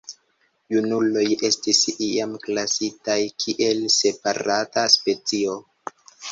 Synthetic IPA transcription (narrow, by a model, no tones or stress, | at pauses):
junulo̞je̞stisiamklasitajkʰiʔe̞lse̞paɾataspe̞t͡sio̞